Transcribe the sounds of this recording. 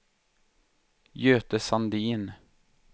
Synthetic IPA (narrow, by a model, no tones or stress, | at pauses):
jøːt̪əsand̪iːn